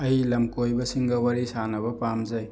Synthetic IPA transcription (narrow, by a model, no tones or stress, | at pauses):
ɐjlɐmkojbɐsiŋɡɐwɐɾisanɐbɐpamzɐj